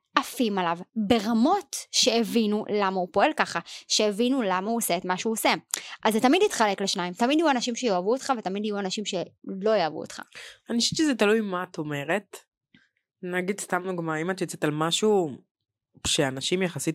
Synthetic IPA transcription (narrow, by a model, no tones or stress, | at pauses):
ʔafimalavbe̞ʁamo̞tʃe̞ːvinulamaupo̞e̞lkaχaʃeːvinulamauoseetmaʃuoseʔazetamidit̪χale̞kleʃnaimt̪amidajuanaʃimʃejoavuotχavetamid̪ajuanaʃimʃe̞lo̞javṵo̰t̪χa̰aniʃɛt͡ʃezetalujmato̞me̞ʁet | naɡid̪st̪amnuɡmaimat̪jot͡setalmaʃu | ʃeanaʃimjaχasit